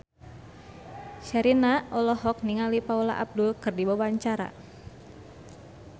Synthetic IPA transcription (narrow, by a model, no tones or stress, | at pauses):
ʃɛɾinaɔlɔɦɔk̚niŋalipaula̰ʔab̚dʊlkɨrdibawaɲt͡ʃaɾa̰